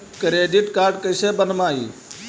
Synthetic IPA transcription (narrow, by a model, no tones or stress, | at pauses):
kɾeːɖɪʈkaːɾɖkəɪseːbənmaːḭː